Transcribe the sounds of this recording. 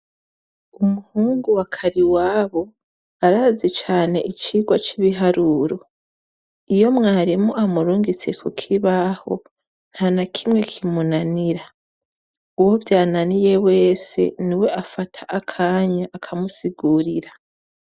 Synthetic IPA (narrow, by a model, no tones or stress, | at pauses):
umuhuːŋɡuwakʰaɾiwaːβo̞ | aɾazet͡ʃaːne̞ʔit͡ʃiɡwat͡ʃiβiɦaɾuɾo̞ | ijo̞mŋaːɾimoʔamuɾuːŋɡit͡se̞kʰukʰiβaho̞̰ | n̥hanakʰimŋe̞kʰimunaniɾa | uwo̞vjaːnanije̞we̞ːse̞̰niwe̞ʔafatʰaʔakʰaːɲaʔːkʰamusiɡuɾiɾa